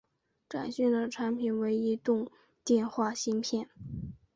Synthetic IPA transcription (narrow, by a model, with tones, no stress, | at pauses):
ʈ͡ʂa̰˨˩nɕy˥˩nd̪ə˩ʈ͡ʂʰa˧˥npʰi˨˩nwe˧˥ɪi˧˥t̪ʊ˥˧ŋ | t̪jɛ˥˧nxwa˥˩ɕi˥npʰjɛ˥˩n